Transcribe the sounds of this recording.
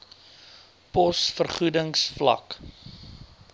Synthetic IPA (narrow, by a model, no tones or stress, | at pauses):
pɔsfərχudəŋsflɐ̰k